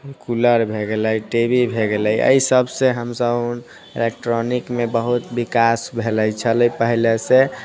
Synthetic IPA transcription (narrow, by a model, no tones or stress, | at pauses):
kuləɾbʱeɡeləiʈebibʱeɡeləjʔə̰isəbʱseɦəmsəb | elek̚ʈɾonikmebəɦut̪bikasbʱeləjt͡ʃʰələipəɦilesẽ